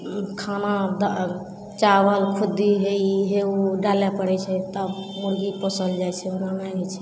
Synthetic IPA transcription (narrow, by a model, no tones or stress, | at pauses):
kʰanad̪a | t͡ʃabəlkʰud̪iɦeɦeuɖalɛpəɽɛt͡ʃʰɛt̪əbmuɾɡiposəld͡ʒajt͡ʃʰɛənanaɡɛt͡ʃʰɛ̥